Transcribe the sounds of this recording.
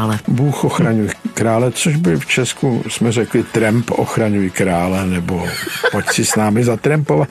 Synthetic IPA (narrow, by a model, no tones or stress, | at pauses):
lɛbuːxoxɾaɲujkɾaːlɛt͡soʒbɪlft͡ʃɛskusmɛrɛklɪt̪ɾɛmpʔo̰xɾaɲujikɾaːlɛnɛbopo̞csɪsnaːmɪzat̪ɾɛmpovat̪